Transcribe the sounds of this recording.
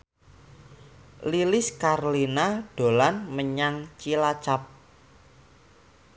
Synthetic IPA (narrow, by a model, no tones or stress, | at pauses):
lilɪskarlinaɖ̥o̤lanməɲaŋt͡ʃilat͡ʃap̚